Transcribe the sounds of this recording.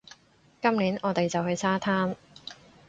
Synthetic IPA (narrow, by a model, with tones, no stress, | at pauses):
kɐ˥mliː˨˥nʔɔː˨˧t̪e˨jt͡sɐ˨whɵ˧ɥsʰaː˥t̪ʰaː˥m